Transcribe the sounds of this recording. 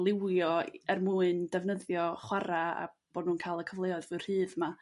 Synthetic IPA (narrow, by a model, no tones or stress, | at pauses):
lˠɪwjɔɛrmuːɨndɛvnəðjɔχwaɾaa̰ | b̥oːdnuːnkʰaːlˠəkʰəvlˠeɔɨðvɨr̥hɨːðma